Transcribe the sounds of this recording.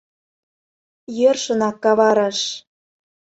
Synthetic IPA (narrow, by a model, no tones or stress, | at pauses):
jørʃɤ̆nɑkːɑβɑɾɑʃ